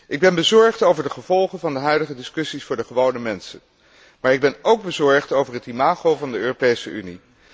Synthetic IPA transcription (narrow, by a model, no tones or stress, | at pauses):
ʔɪɡ̚bɛnbəzɔɹχtowvəɹdəχəvɔlˠχənvɑndəɦœɥdəχədɪskɵsisfʊːɹdəχəʋownəmɛnsə̰n | maːɹɪɡ̚bɛnowɡ̚bəzɔɹχtowvəɹɦətimaːχowvɑndəøːropejsəʔyni